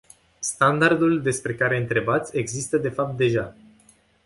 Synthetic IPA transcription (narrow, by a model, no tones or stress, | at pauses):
st̪and̪ard̪uld̪e̞spɾe̞kaɾe̞ɨnt̪ɾe̞bat̪sʲe̞ɡzist̪əd̪e̞fap̚t̪̚d̪e̞ʒa